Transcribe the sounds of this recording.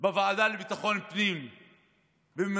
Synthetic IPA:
bavaːd̪alebit̪aχo̞npnim | bem

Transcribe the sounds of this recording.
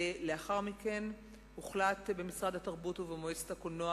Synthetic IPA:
le̞aχaʁmiken | uχlatbe̞misʁad̪hataʁbutuvemoese̥thakonoa

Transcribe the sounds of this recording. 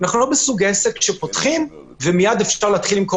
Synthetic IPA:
naχnulo̞besuɡesekʃepotχim | vemijad̪efʃaʁleːt̪χilimko

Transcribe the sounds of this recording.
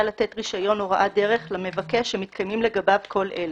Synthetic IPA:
alat̪et̪ʁiʃajo̞noʁaʔadeʁeχlame̞vakeʃemit̪̚kʰajmimle̞ɡababkʰo̞lʔel

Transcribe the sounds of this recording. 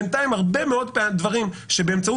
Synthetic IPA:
nt̪aimhaʁbe̞meodpedvaʁimʃebeːmt͡sau

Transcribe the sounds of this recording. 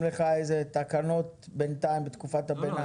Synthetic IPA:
leχaejzet̪akano̞t̪bent̪aimbet̪kufat̪abena

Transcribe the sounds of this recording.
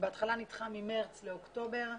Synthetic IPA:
beat̪χalanitχamimeʁt͡sleokto̞be̞ʁ

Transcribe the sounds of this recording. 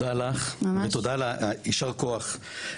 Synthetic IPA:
alaχvet̪od̪alaiʃaʁkoaχ

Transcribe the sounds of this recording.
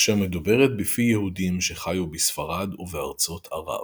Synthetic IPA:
ʃeʁmed̪ube̞ʁet̪bifijehud̪imʃe̞χajubisfaʁad̪uvea̰ʁt͡so̞t̪ʰa̰ʁa̰v

